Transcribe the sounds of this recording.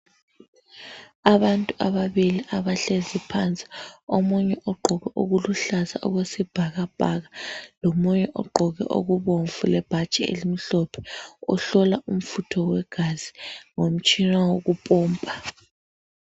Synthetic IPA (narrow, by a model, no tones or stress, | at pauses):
aβantʼuʔaβaβiliʔaβaɬezipʰant͡sʼi̥omuɲɛʔɔɡ͡ǃʱɔɣɛʔoɣuluɬaza̰ʔɔ̰ɣwesib̥ʱaɣab̥ʱa̰ɣalomuɲɛʔɔ̰ɡ͡ǃʱɔɣɛ̰ʔo̰ɣuβoɱvulɛb̥ʱat͡ʃʼɛḛlimiɬɔpʰɛ̥ɔɬɔlaʔum̩futʰɔwɛɡ̥ʱazi̥ŋom̩t͡ʃʼinawoɣupʼɔːmpʼa